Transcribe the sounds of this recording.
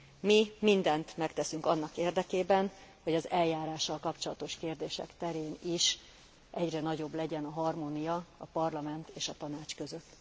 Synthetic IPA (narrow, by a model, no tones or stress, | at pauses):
mimind̪ɛnt̪mɛkt̪ɛsyŋkɒnːɒkeːrd̪ɛkeːbɛnho̞ɟɒzɛljaːɾaːʃːɒlkɒpt͡ʃo̞lɒt̪o̞ʃkeːrd̪eːʃɛ̰kt̪ɛɾeːniʃ | ʔɛɟrɛnɒɟo̞blɛɟɛnɒɦɒrmoːnijɒɒpɒrlɒmɛnt̪eːʃɒt̪ɒnaːt͡ʃkø̞zøt̪ː